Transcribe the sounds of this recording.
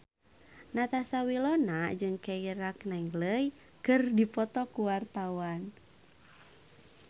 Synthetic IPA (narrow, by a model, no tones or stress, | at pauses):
nat̪asawilɔnad͡ʒɨŋkeiɾaknaiŋɡləj | kɨrdipɔt̪ɔkuwart̪awan